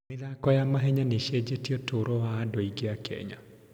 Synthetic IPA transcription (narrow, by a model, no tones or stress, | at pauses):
mɪðakɔjamaɦɛɲaneʃed͡ʒetiɔtoɾɔwaːdoiɡeakɛ̰ɲa̰